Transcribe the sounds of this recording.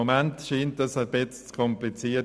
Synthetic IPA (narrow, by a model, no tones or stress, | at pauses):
omɛntʃiːntəsəbɪt͡st͡skʰɔmplit͡siːə